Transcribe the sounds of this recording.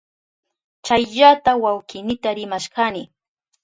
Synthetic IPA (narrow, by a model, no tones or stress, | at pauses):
t͡ʃajʎat̪awawkɪnɪt̪aɾɪmaʃɢanɪ